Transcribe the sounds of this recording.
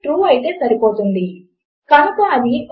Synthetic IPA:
ʈɾuːɐjit̪e̞ːsɐɾipo̞ːt̪und̪i | kɐnukuɐd̪i

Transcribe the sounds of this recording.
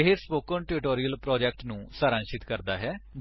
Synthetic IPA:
eɦespoːkəɳʈɪɾɪʈoːɾiəlpɾɔːd͡ʒɛk̚ʈnũːsaːɾãːʃɪt̪kəɾd̪aːɦɛː

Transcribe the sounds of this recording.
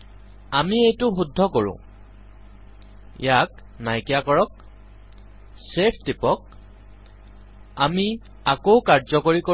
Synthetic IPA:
amiejtʊxudʱːɔkoɹʊ̰̃ | jak | najkijakɔɹɔk̚ | sepʰtipɔk̚ | ami | akowkaɹzɔkoɹiko

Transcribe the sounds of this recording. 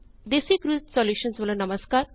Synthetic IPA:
d̪esikɾut̪sɔljuːʃə̃nsʋɐlɐnɐməskaːɾ

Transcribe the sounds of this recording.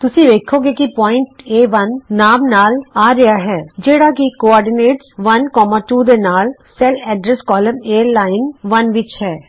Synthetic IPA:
t̪ʊsĩʋeːkʰoːɡekipɔːɪ̃ɳʈeːʋɐnːaːmnaːlaːɾɐjaɦɛːd͡ʒeːɽakikoɔːɾɖɪneːʈsʋɐnkɔːmaːʈuːd̪enaːlsɛlɛːɖɾɛskɔːlə̃meːəɾlaːɪnʋɐnʋɪt͡ʃhɛː

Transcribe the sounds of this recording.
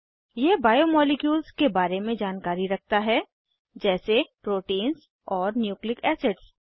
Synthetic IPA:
jeːbaːjomɔːlɪkjuːlzkebaːɾemẽd͡ʒaːnkaːɾiɾɐk̚ʰt̪aɦɛ | d͡ʒɛːsepɾoːʈiːnz | ɔːɾnjuːklɪkɛːseɖs

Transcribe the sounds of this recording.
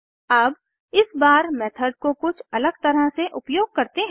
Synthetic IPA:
aːb | ɪsbaːɾmɛːt̪ʰəɖ̚kokʊt͡ʃʰɐləɡ̚t̪ɐɾəɦseʔʊpjoːɡ̚kɐɾt̪eɦ

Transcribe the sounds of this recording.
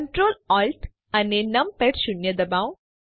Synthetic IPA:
ɳʈɾoːlɔlʈ | ɐnenɐmpeʈɕunjɐd̪ɐbãw

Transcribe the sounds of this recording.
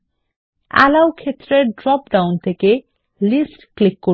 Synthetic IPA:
a̰lawkʰet̪ːɾeɖɾɔpɖawnt̪ʰeke | lisʈklikːo

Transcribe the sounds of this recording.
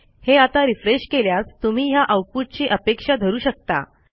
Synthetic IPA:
heat̪aɾifɾeɕkeljast̪um̤iːjaʔəwput̪̚t͡ɕiʔəpekʂad̪ʱəɾuːɕək̚t̪a̰

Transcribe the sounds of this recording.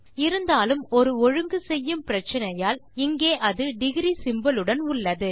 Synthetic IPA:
ɪɾɯnd̪aːlɯmɔɾɯɔɻɯŋɡɯsɛjːɯmpɪɾɐt͡ʃːɐnɐjaːlɪŋɡeːʔɐðɯɖɪɣɪɾisɪmbɐlɯɽɐnʊɭːɐðɯ

